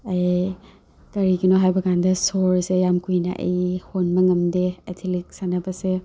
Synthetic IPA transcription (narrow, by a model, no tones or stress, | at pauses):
ɐj | kɐɾiɡinoɦajbɐkandɐsoɾsejamkujnɐ̰ʔɐ̰jhonmɐŋɐmdeḛtʰilik̚sanɐbɐse